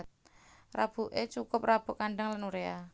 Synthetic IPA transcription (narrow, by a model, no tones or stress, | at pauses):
t̪̚rab̥ṳʔet͡ʃukʊp̚rab̥ṳkanɖaŋlanuɾea